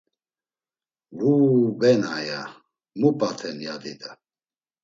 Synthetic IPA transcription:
ɡubɛnaja | mupʼat̪ʰɛnjad̪id̪a

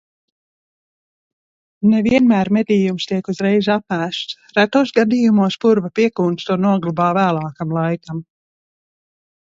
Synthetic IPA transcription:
neviɛnmæːɾmed̪ʲiːjumst̪iɛkuzɾɛjzapæːʃt̪s | ɾæt̪usɡad̪iːjumuɔspuɾvapiɛkuːnt̪st̪uɔnuɔɡlˠubaːvæːlˠɑːkamlˠajkam

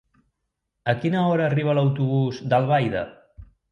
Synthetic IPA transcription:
əkinəɔɾəːriβ̞ələwt̪uβ̞uzd̪əlˠβajðə̰

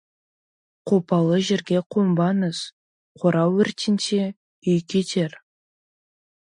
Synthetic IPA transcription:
qʰopɑlˠəʒeɾɡʲe̞qʰombɑnəz̥ | qʰoɾɑwɵɾt̪ʲɪnt̪e | ʏjkʲet̪ʰe̞ɾ

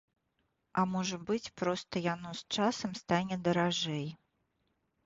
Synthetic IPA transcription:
ɐmɔʐɐbɨt͡sʲpɾɔst̪ɐjanɔst͡ʂasɐmst̪anʲɛd̪ɐɾaʐɛj

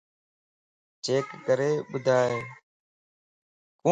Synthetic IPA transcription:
d͡ʒeːkːəɾeːɓʊd̪ʱaːɦeː | kũ

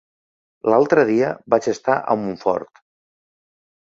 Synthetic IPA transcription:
lalˠt̪ɾəðiəbat͡ʃəst̪aʔə̰muɱfɔ̰ɾt̪

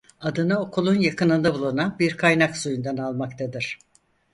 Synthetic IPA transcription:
ad̪ɯnɯokʰulˠunjakɯnɯnd̪abulˠunanbiɾkʰajnaksujund̪analˠmakt̪ʰad̪ɯɾ̥

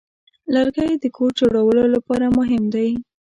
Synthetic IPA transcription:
laɾɡajd̪əkʰoɾd͡ʒoɽawəlolapɑɾamʊɦɪmd̪aj

